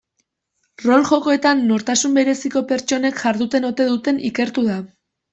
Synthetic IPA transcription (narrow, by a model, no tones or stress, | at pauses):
ro̞lʝo̞ko̞e̞t̪anːo̞ɾt̪asumbe̞ɾe̞siko̞pe̞ɾt͡ʃo̞ne̞kʝaɾðut̪e̞no̞t̪e̞ðut̪e̞nʔike̞ɾt̪uða